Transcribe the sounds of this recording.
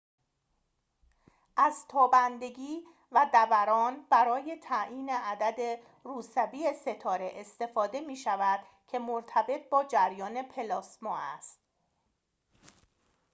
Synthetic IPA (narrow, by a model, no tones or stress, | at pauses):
ʔæzt̪ʰɒːbænd̪e̞ɡʲiː | væd̪ævæɾɒːnbæɾɒːje̞t̪ʰæʔiːne̞æd̪æd̪e̞ | ɾuːsæbiːese̞t̪ʰɒːɾe̞ʔest̪e̞fɒːd̪e̞miːʃævæd̪̥ | cʰe̞moɾt̪ʰæbe̞t̪̚ʰbɒːd͡ʒæɾjɒːne̞pʰe̞lɒːsmɒːæ̰st̪